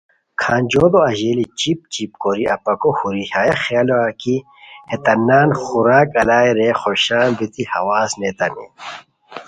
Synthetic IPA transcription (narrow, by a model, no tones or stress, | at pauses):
kʰaːnd͡ʑoːd̪oɐʑeːlit͡ɕip̚t͡ɕip̚koɾiɐpɐkohuɾihaːjɐxaloɐki | het̪ɐnːaːnxuɾaːkɐlaːeɾeːxoɕaːnbit̪ihɐ̰waːsnet̪ɐnḛ